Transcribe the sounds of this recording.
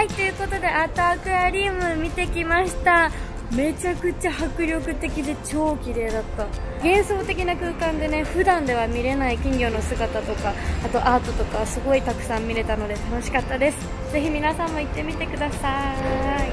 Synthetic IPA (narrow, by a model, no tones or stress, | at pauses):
ait̪ːejɯ̟ko̞t̪o̞d̪e̞ʔat̪aakɯ̟aɾʲiːmɯ̟mʲit̪e̞kʲimaɕi̥t̪a | me̞t͡ɕakɯ̟t͡ɕahakɯ̟ɾʲo̞kɯ̟t̪e̞kʲid̪e̞t͡ɕo̞ːkʲiɾe̞ːd̪at̪ːa | ɡẽ̞ɰ̃so̞ːt̪e̞k̬ʲinakɯ̟ːkãnd̪e̞ne̞ɸɯ̟d̪ãnd̪e̞β̞amʲiɾe̞naikʲĩŋɡʲo̞ːno̞sɨɡat̪at̪o̞kaat̪o̞ʔaːt̪o̞t̪o̞kaβsɨɡo̞it̪akɯ̟̥sãmːʲiɾe̞t̪ano̞d̪e̞t̪ano̞ɕi̥kat̪ːad̪e̞sɨ̥ | ze̞çimʲinasãmːo̞it̪ːe̞mʲit̪e̞kɯ̟d̪asa | i